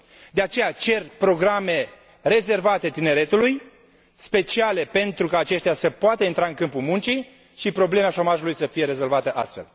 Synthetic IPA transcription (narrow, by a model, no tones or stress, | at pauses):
d̪e̞at͡ʃe̞jat͡ʃe̞rpɾo̞ɡɾame̞ | re̞ze̞rvat̪e̞t̪ine̞ɾe̞t̪uluj | spe̞t͡ʃiale̞pe̞nt̪ɾukaːt͡ʃe̞ʃt̪easəpoat̪əint̪ɾaɨŋkɨmpumunt͡ʃi | ʃipɾo̞ble̞meaʃo̞maʒulujsəfije̞ɾe̞zo̞lvat̪əʔa̰st̪fe̞̰l